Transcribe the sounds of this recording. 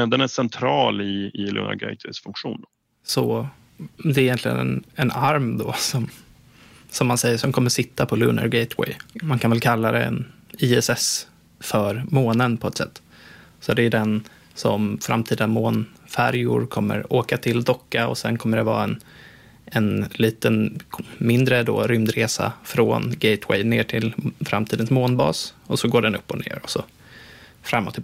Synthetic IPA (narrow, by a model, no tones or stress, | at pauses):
d̪ɛnæsɛnt̪ʰɾɑːlɪɪlɵ̰nə̰ɾɡɛ̰t̪ʰwɛsfɵŋkɧuːn | sɔ | d̪ɛɾɪjɛnt̪lɪɡə̰nɛ̰nɛnaɾmd̪ɔsɔm | sɔmːansɛjːəʂɔmkʰɔmːəʂɪt̪ːapʰɔlɵnə̰ɾɡɛjt̪ʰwɛ̰jmankʰanvɛlkʰalːad̪ɛ̰ɛ̰niɛsɛs | fœɾmoːnənpʰɔɛt̪sɛ̰t̪ː | sɔd̪ɛɖ̪ɛn | sɔmfɾa̰mt̪ʰiːd̪amoːnfæɾjʊ̰ɾkʰɔmːə̰ɾoːkat̪ʰɪld̪ɔkːaɔ̰sɛnkʰɔmːəɖɛvɑ̰ːɛn | ɛnliːt̪ənmɪnd̪ɾəd̪oːɾʏmd̪ɾeːsa̰fɾoːnɡɛjt̪ʰwɛ̰jneːʈʰɪlfɾa̰mt̪ʰiːd̪ənsmoːnbɑ̰ːsɔsɔɡoːɖɛnɵpːɔnḛːɾɔsɔ | fɾamːɔ̰t̪ːɪ